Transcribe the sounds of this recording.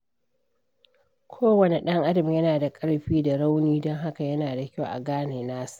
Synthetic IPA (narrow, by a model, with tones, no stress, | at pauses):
kʷʰoː˦wɐ˨ne˨ɗɐ˦ŋʔa˦dɐ˨m˨jɐ˦naː˨da˨kʼɐ˦ɽɸiː˦da˨ɽa˦wniː˦dɔ˦ŋɦa˦ka˨jɐ˦naː˨da˨kʲa˦wʔa̰˨ɡaː˦neː˨naː˦su̥˦˨ʔ